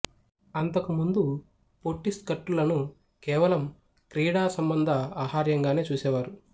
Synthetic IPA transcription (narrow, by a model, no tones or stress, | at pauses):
ɐnt̪ɐkumund̪u | poʈːist̪kɐʈːulɐnu | kɛːʋɐlɐm | kɾiːɽaːsɐmbɐnd̪ʱɐaːhaːɾjɐŋɡaːne̞ːt͡ʃuːsɛːʋaːɾu